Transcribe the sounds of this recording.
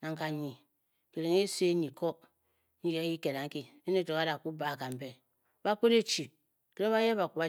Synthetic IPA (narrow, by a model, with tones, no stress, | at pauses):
na˨ŋka˨ɲi˨ | ki˨ɾe˨ŋe˦se˦ɲi˨ko˦ | ɲi˦je˦ji˦ke˨ɾa˨ŋ̩˦ki˦ | e˦ne˦˨to˨ka˦ɾa˨ku˦ba˨ka˨m̩˨be˨˦ | ba˦k͡po˦ɾe˦t͡ʃi˨ | ke˦ɾe˦βa˦je˦βa˨ku˨ba˦